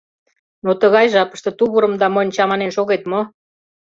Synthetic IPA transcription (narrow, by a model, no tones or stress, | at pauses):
not̪əɣɑjʒɑpə̥ʃt̪ɤ̆t̪uβəɾə̆md̪ɑmonʲt͡ɕɑmɑnenʃoɣet̪mo